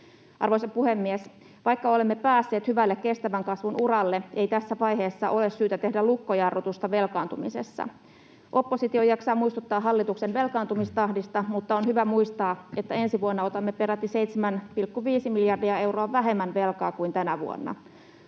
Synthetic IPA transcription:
ʔɑ̰rʋo̞jsɑpuhemːies | ʋɑjkːɑo̞le̞mːe̞pæːsːe̞ːt̪hyʋælːekːe̞st̪æʋæŋkɑsʋunurɑlːe̞e̞jt̪æsːæʋɑjɦe̞ːsːɑʔo̞le̞sːyːt̪æt̪ehdælukːojɑrʋot̪ust̪ɑʋe̞lkɑːnt̪umisḛsːɑ̰ | ʔo̞pːo̞sit̪iojɑksɑːmuist̪ut̪ːɑːɦɑlːit̪uksenʋe̞lkɑːnt̪umist̪ɑhdist̪ɑmut̪ːɑonhyʋæmuist̪ɑːe̞t̪ːæe̞nsiʋuonːɑo̞t̪ɑmːepe̞ɾæt̪ːise̞jt̪semænpilkːuʋiːsimiljɑrdiɑe̞wroɑʋæɦe̞mːænʋe̞lkɑːkuint̪ænæʋṵo̰nːɑ̰

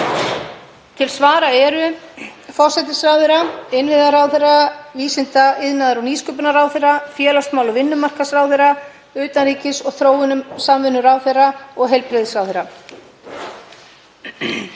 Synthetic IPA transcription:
t̪ʰɪlsvaːɾaɛɾʏ | fɔr̥sɛjt̪ɪsrawθɪɾaɪnvɪðaɾawθɛɾaviːsɪnt̪aɪðnaðaɾawniːskœp̬ʏnaɾaːwθerafjɛːlasmaːwlɔvɪnːʏmar̥kasraːwθɛɾa | ʏːt̪anɾiːcɪsɔɣθɾoːwɪnʏmsamvɪnːʏɾaːwθerːaɔɣɦejlpɾɪðsɾawθɛɾa

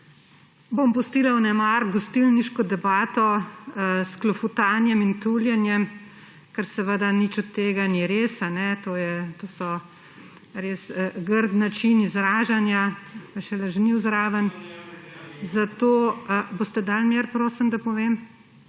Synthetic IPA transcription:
bompust̪ilawnɛmaɾɡɔst̪ilniʃkɔd̪ɛbaːt̪ɔ | sklɔfut̪anjɛmint̪uljɛnjɛm | kəɾsɛʋəd̪anit͡ʃɔt̪ːeːɡaniɾeːsanɛt̪oːjɛt̪oːsɔ | ɾeːsɡəɾd̪nat͡ʃinizɾaːʒanjapaʃɛlɐʒniwzɾaːʋən | zat̪oːbost̪ɛd̪aːlmjeːɾpɾoːsəmd̪apɔʋeːm

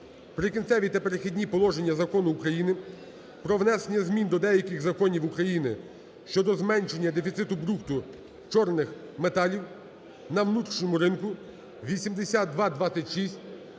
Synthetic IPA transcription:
pɾɪkʲint̪sɛʋʲit̪epeɾexʲidʲnʲipɔlˠɔʒe̞nʲːɐzɐkɔnʊːkɾɐjinɪ | pɾɔʋnɛsenʲːɐzmʲind̪ɔd̪ɛjɐkɪɣzɐkɔnʲiwukɾɐjinɪ | ʃt͡ʃɔd̪ɔzmɛnʲt͡ʃe̞nʲːɐd̪efʲit̪sɪt̪ʊbɾuxt̪ʊ | t͡ʃɔrnɪxmet̪ɑlʲiw | nɐwnut̪ɾʲiʃnʲɔmʊɾɪnkʊ | ʋʲisʲimd̪esʲad̪d̪ʋɑd̪ʋasʲɐtʲʃisʲtʲ

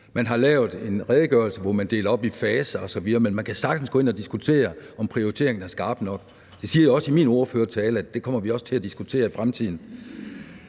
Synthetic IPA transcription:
mænɦɑ̈lɛʊðˠe̝nʁɛð̞ˠɡ̥ɶɐlsəʋɒmænd̥e̝̰ːlɐɒ̽b̥ifɛːsɐɒ̽sɒ̽ʋið̞ˠɐmenmænkʰæsɑ̈ɡ̥d̥n̩sɡ̥o̽e̝nɒ̽d̥isɡ̥ut͡sʰe̝̰ːɐɒ̽mpʰʁio̝it͡sʰe̝̰ɐeŋn̩æɐsɡ̥ɑ̈ːb̥d̥nɒ̽ɡ̥ | d̥e̝siːɐjaɒ̽simḭːno̝ːføɐt͡sʰɛːləæd̥̚e̝kʰɒ̽m̰ɐʋiɒ̽sə̥t͡sʰe̝læd̥isɡ̥ut͡sʰe̝̰ːɐifʁamt͡sʰið̰ˠn̩

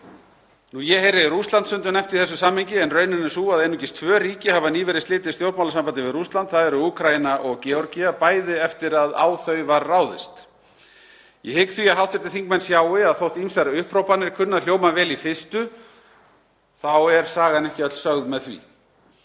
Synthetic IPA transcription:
nujɛɦejɾɪrust̪lant̪sʏnt̪ʏnɛm̥t̪iθɛs̬ːʏsaːmheɲcɪɛnrœɥnɪnɪsuːaðejnʏcɪst̪ʰvœːriːcɪhavaniːvɪɾɪst̪ɪːt̪ɪst̪jowt̪mawlsampant̪ɪvɪðrust̪lant̪θaðɛɾʏukʰɾajinaʔɔɣcɛɔɾciapaːjðɪɛft̪ɪɾaða̰ːwθœɥvaɾːaːwðɪ̰st̪ | jɛhɪkθviaɦawht̪ɛt̪ɪθiŋkmajnsjaːwɪaðθowht̪imsaɾaʏhpɾowpanɪɾ̥kʰʏnːaðljoːwmavɛːlifɪst̪ʏ | θawɛɾ̥saːɣanɛhcɪœt̪l̥sœɣðmɛðθvḭ

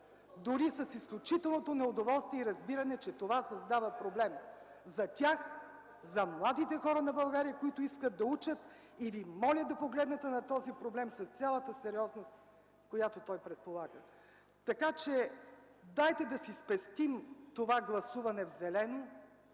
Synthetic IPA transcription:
d̪ʊɾisɐsisklʲut͡ʃit̪ɛlˠnot̪onɛod̪ovɔlˠst̪viɛiɾɐzbiɾɐnɛt͡ʃɛt̪ovasɐzd̪avəpɾoblɛm | zɐt̪ʲax | zɐmlˠad̪it̪ɛxɔɾənɐbɐlˠɡaɾijəkoit̪ʊiskət̪̚d̪ɐut͡ʃət̪ | ilimɔlʲəd̪d̪ɐpoɡlɛd̪nɐt̪ɛnɐt̪ɔzipɾoblɛmsɐst̪sʲalˠət̪əsɛɾiɔznost̪ | kojat̪ot̪ɔjpɾɛt̪̚polˠaɡə | t̪ɐkat͡ʃɛ | d̪ajt̪ɛd̪ɐsispɛst̪imt̪ovaɡlˠɐsuvɐnɛvzɛlɛno

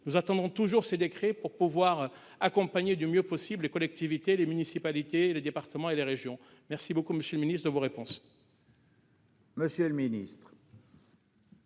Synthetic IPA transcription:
nuzat̪ɑ̃d̪ɔ̃t̪uʒuʁsed̪ekχepuʁpuvwaʁ | akɔ̃paɲed̪ymjøpɔsiblekɔlɛk̚t̪ivit̪elemynisipalit̪eled̪epaʁt̪əmɑ̃eleʁeʒjɔ̃ | mɛʁsibokuməsjøləminit̪χəd̪əvoʁepɔ̃s | məsjøləminist̪χ

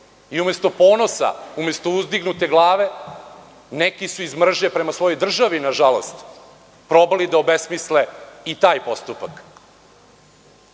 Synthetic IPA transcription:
iume̞st̪o̞po̞ːno̞sa̰ume̞st̪o̞uzd̪iɡnut̪e̞ɡlˠaːʋe̞ | nekisuizmr̩ʒepɾe̞masʋo̞jo̞jd̪r̩ʒaʋinaʒalo̞st̪t̪ | pɾo̞balid̪aobesmisleit̪aːjpo̞st̪upak

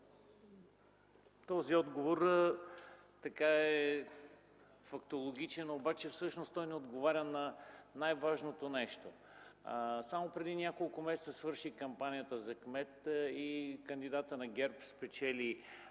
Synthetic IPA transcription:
t̪ɔziɔd̪ɡovoɾ | t̪ɐkaɛ | fɐkt̪olˠoɡʲit͡ʃɛnobat͡ʃɛfsɤʃnost̪ɔjnɛod̪ɡovaɾʲənɐnajvaʒnot̪onɛʃt̪o | samopɾɛd̪inʲakolˠkʊmɛsɛt̪səsvɤɾʃikɐmpanʲijət̪əzɐkmɛt̪ikɐnd̪id̪at̪ənɐɡʲɛɾpspɛt͡ʃɛli

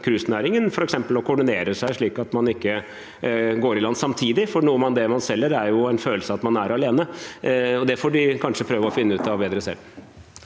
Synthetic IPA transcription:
kʰɾʉːsnæːɾɪŋənfɔɾɛksɛmpəlɔkʊɖɪneːɾəʂæɪʂɭiːkɑt̪mɑnɪkːə | ɡoːɾɪlɑnːsɑmt̪ʰiːd̪ɪfɔɾnuːəmɑʋd̪ɛmɑnsɛlːəɾæɾjʊæɪnføːlsəɑt̪mɑnæɾɑleːnə | ɔd̪ɛfoːɖɪkʰɑnʂəpʰɾøːʋəɔfɪnːəʉːt̪ɑʋbeːd̪ɾəsɛ̰lː

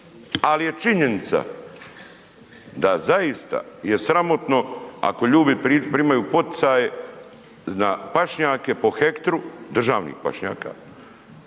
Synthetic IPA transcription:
alije̞t͡ʃiɲe̞nit̪sa̰ | d̪azaist̪a̰jesɾamo̞t̪no̞a̰ko̞ʎuːbipɾipɾiːmajuːpo̞t̪i̥t̪saːje | napaʃɲaːke̞po̞xekt̪ɾud̪r̩ʒaːʋnḭːxpa̰ʃɲa̰ːka̰ː

